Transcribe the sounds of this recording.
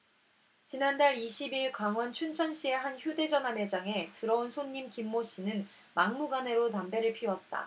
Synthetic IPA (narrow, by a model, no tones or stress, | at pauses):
t͡ɕinandaɭiɕʰibiɭkaŋwʌnt͡ɕʰunt͡ɕʰʌnɕ͈ie̞ɦançjude̞d͡ʑʌnɦame̞d͡ʑaŋe̞tɯɾʌunsʰoɲːimkimːoɕ͈inɯn | maŋmuɡane̞ɾotambe̞ɾɯɭpʰiwʌt̚t͈a̰